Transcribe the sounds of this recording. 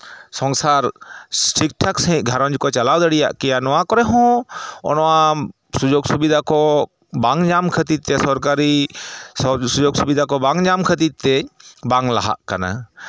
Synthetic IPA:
sɔ̃ŋsaɾsʈʰik̚ʈʰaksɦĩʔɡʱaɾɔ̃ɲd͡ʒkɔt͡ʃalawd̪əɽija̰ʔkɛjanɔwakɔɾɛɦɔ̃ɔ̰nɔwa | sud͡ʒoɡsubid̪ʱakɔ | baŋd͡ʒamkʰət̪id̪̚t̪ɛsɔɾkaɾi | sud͡ʒoɡsubid̪ʱakɔbaŋd͡ʒamkʰət̪id̪̚t̪ɛbaŋlaɦa̰ʔkana̰

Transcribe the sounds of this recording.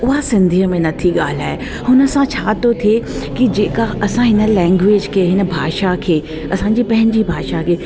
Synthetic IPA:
ʊɦasɪ̃nd̪ʱiəmẽnɐt̪ʰiɠaːl̤aːe | hʊnə̆sãt͡ɕʰaːt̪ʰot̪ʰiekid͡ʑeːkaɐsãɦɪnə̆lɛ̃ːŋɡʋeːd͡ʑkʰeːɦɪnə̆bʱaːʃakʰeː | ɐsãːɲd͡ʑiːpɐ̃ɦɪ̃ɲ̆d͡ʑibʱaːʃakʰeː

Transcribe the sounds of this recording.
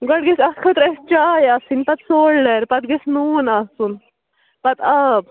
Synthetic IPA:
ɡɐɽɡisɐskʰɐt̪ɾɐst͡ʃaːjɐsinpɐt̪soːɽɖɐɾpɐt̪̚ɡesnuːnasun | pɐt̪ʰab

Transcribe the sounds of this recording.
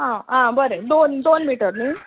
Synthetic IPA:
ɦããbəɾed̪ond̪onmiʈəɾmiː

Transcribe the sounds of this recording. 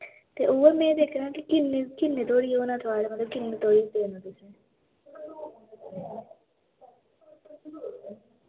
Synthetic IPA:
t̪eːʔoːemɛ̃ːd̪eːkʰɾeãːkɪkɪnekɪnːeːt̪oːɽiːoːnãːt̪ʰaːlemət̪ləb̚kɪnːeːt̪oːɽiːt̪eːnãt̪ʊsẽː

